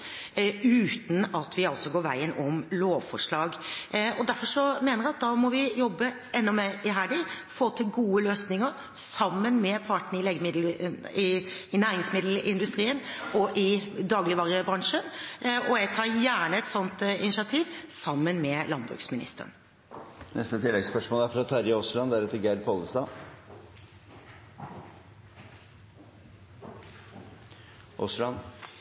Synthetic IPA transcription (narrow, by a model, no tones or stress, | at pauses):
ʉːt̪n̩ɑt̪ʰʋɪɑlsɔɡoːʋæ̰ɪənɔmloːʋfɔʂɭɑːɡɔd̪æɾfɔʂɔmeːnəɾɛɑt̪̚d̪ɑːmɔʋɪjɔbːə | ɛnːɔmɛɪɦæːɖɪ | foːt̪ʰɪlɡuːəløːsnɪŋəɾ | sɑmːənmɛpʰɑʈɳ̩ɪleːɡəmɪd̪lɪɪnæːɾɪŋsmɪd̪l̩ɪnd̪ʉst̪ɾiːənɔʔɪd̪ɑːɡlɪʋɑːɾəbɾɑŋʂənɔɛɡ̚t̪ʰɑːɾjæːɳəɛt̪sɔnt̪ɪnɪʃɑt̪ʰiːʋsɑmːənmɛlɑnbɾʉ̰ːksmɪnɪ̰st̪ə̰n | nɛst̪ət̪ʰɪlːɛɡspœʂmoːlæɾfɾɑt̪ʰæɾɪɔsɭɑnd̪æɾʉt̪ːəɾɡæd̪pʰɔləst̪ɑː | ʔɔslɑn